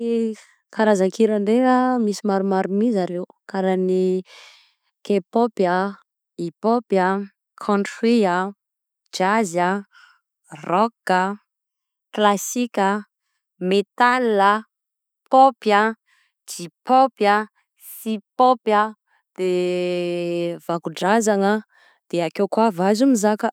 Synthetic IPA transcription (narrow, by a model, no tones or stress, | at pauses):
kaɾazakʰiɾaɳɖ͡ʐeɾamisimaɾumaɾumizaɾewkaɾani | kepopjə | ipopjə | kʰɔ̃ntia | d͡ʒazə | rɔkə | klasikʲə | met̪ala | popja | d͡ʒipopjə | sipopjə | d̪̥e | v̥akuɖ͡ʐazaŋə | d̪̥eakewkwavazumizakə